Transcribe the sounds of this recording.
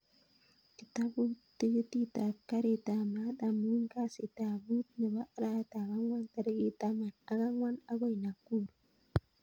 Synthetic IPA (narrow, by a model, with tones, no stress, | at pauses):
ki˨ta˦bu˦te˦d͡ʒe˦ti˦ta˨ka˦ɾi˨ta˨ma˦ta˨mi˦nka˦si˨ta˨bu˦tne˨ba˦ɾa˦ta˨ɡa˦ŋwa˦nta˨ɾe˦ɡi˦ta˦ma˨na˨ɡa˦ŋwa˦na˦ɡo˦jna˨kːu˦ɾ